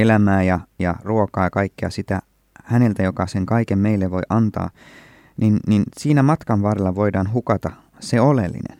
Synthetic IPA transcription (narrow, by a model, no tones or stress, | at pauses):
elæmæːjɑjɑ̰ruokɑːjɑkɑikːeɑ̰sit̪æ | hæne̞lt̪æjo̞kɑseŋkɑikemmeilːeʋʋo̞jʔɑnt̪ɑ̰ː | ninninsiːnæmɑt̪kɑnʋɑːɾelːɑʋo̞idɑːnɦukɑt̪ɑ | seolelːḭnḛn